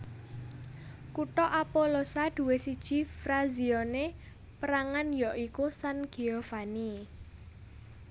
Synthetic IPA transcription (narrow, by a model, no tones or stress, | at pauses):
kuʈɔʔapolosad̪̥ṳwesid̥ʒ̥i̤fɾaziɔne | pəɾaŋanjɔʔikusanɡ̥iɔfani